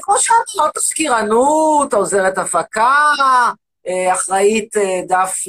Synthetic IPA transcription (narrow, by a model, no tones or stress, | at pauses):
kmoʃeatalot̪askiʁanut̪aoze̞ʁet̪afaka | eaχʁait̪edaf